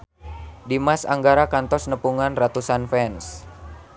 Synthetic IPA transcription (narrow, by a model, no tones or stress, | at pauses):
dimasa̰ŋɡaɾakant̪ɔsnəpuŋanrat̪usanfɛns